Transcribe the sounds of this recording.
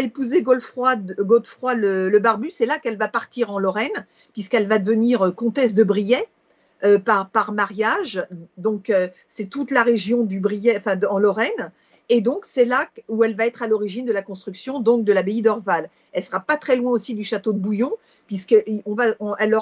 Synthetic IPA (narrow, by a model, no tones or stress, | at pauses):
epuzeɡɔlfχwad̪ɡolt̪fχwalələbaʁbysɛlakɛlvapaʁt̪iʁɑ̃lɔʁɛn | pɥiskɛlvad̪əvəniʁøkɔ̃t̪ɛs̬d̪əbʁijɛ | øpaʁpaʁmaʁjaʒd̪ɔ̃kø | sɛt̪ut̪laʁeʒjɔ̃d̪ybʁijɛɑ̃fɛ̃d̪ɑ̃lɔʁɛn | ed̪ɔ̃ksɛlauɛlvaɛt̪χalɔʁiʒind̪əlakɔ̃st̪χyksjɔ̃d̪ɔ̃k̚d̪əlabeid̪ɔʁval | ɛlsəʁapat̪χɛlwɛ̃osid̪yʃat̪od̪əbujɔ̃ | pɥiskəʔɔ̃vaɔ̃ʔɛlːɔʁ